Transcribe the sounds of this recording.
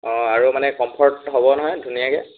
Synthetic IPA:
ɔ̃aɹumanɛkɔmpʰɔɹtɦobɔnɔɦɔjdʱunijakɛ

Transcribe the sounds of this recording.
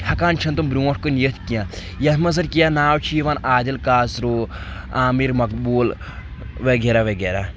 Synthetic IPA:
hɐkaːnt͡ʃʰɐnt̪̬umbɾuːʈʰkonjɐt̪ʰkijãː | jɐt̪ʰmɐzɐnkijaːnaːwt͡ʃʰiʋaːnaːd̪ɐlkaːsɾoː | aːmiɾmɐkbuːl | ʋeɡeːɾaʋeɡeːɾaː

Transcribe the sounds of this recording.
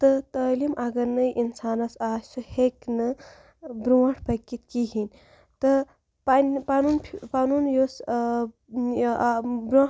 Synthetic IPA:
t̪ət̪əːlimʔɐɡɐɾnɐjʔinsaːnɐsaːsuheknɨ | bɾuwɐʈʰpɐkːit̪kiɦin | t̪ɨ | panpanunpʰpanunjos | bɾ

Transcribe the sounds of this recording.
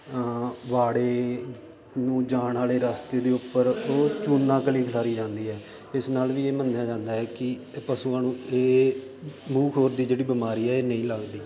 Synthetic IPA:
ʋaːɽeː | nũːd͡ʒaːɳaːleːɾaːst̪eːd̪eːʊpːəɾoːt͡ʃuːnːãːkəliːkʰəlaːɾiːd͡ʒãːnd̪iːɦɛː | ɪsnaːlʋiːeːmənːjaːd͡ʒãːnd̪aːɦɛːkɪpəsuːãːnũːeː | muːkʰoːɾd̪iːd͡ʒeːɽiːbɪmaːɾiːɛːeːnəĩːləɡd̪iː

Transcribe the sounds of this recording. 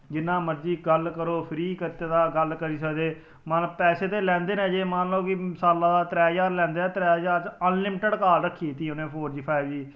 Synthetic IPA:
d͡ʒɪnːãːməɾd͡ʒiːɡəlkəɾoːpʰɪɾiːkət̪eːd̪aːɡəlkəɾiːsəkd̪eː | mənəpɛːseːt̪eːlɛ̃ːnd̪eːnɛ̃ːd͡ʒeːmənlõːkɪsaːlãːd̪aːt̪ɾɛːd͡ʒaːɾlɛ̃ːnd̪ɛːt̪ɾɛːd͡ʒaːɾt͡ʃənlɪmʈəɖkaːlɾəkʰːiːt̪iːʊnẽːpʰoːɾʈiːpʰaɪbd͡ʒiː

